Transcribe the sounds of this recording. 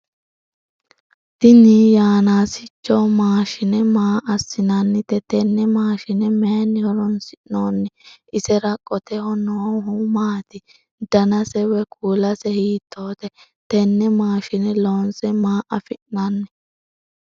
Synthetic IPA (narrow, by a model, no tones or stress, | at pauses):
t̪ɪnijaːnaːsɪt͡ʃːɔmaːʃɪnɛmaːʔɐsːɪnɐnːɪt̪ɛt̪ɛnːɛmaːʃɪnɛmenːɪhɔɾɔnsɪnoːnːɪʔɪsɛɾɐkʼːɔt̪ɛhɔnoːɦumaːt̪ɪ | d̪ɐnɐsɛwɛkʰuːlɐsɛhiːt̪ʰːo̞ːt̪ɛ | t̪ɛnːɛmaːʃɪnɛloːnsɛmaːʔɐfɪʔnɐnːɪ